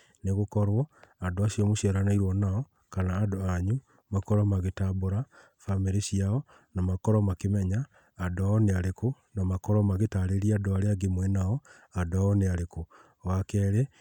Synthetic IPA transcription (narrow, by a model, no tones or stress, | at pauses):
neɣokɔɾwɔadoasiɔmoʃiaɾanaiɾwɔnaɔ | kanaːdoaɲu | makɔɾɔmaɣetaboɾa | fameɾeʃiaɔ | namakɔɾɔmakemɛɲaː | dɔɔneaɾeko | namakɔɾɔmaɣetaɾeɾiadoaɾeaɡemwɛnaɔ | adɔaɔneaɾeko | wakɛɾe